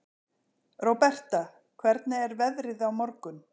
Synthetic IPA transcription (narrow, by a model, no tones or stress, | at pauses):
rɔwpɛr̥t̪a | kʰvɛɾt̪nɪɛɾvɛðɾɪðawmɔɾkʏn